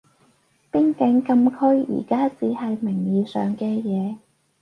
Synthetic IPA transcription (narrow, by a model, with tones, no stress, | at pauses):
pɪ˥ŋkɪ˨˥ŋkɐ˧mkʰɵ˥ɥjḭː˨˩kaː˥t͡siː˨˥ɦɐ˨jmɪ˨˩ŋjiː˨˧sœː˨ŋkɛː˧jɛː˨˧